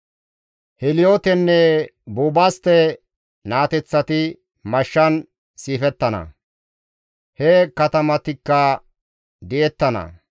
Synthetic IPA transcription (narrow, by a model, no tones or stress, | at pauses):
hɛlɪjoːt̪ɛnːɛbuːbaːst̪ɛ | naːt̪ɛt͡sːɐt̪ɪ | mɐʃːɐn | siːfɛt̪ːɐnɐ̰ | hɛkɐt̪ɐmɐt̪ɪkːɐ | d̪ɪʔɛt̪ːɐnɐ̰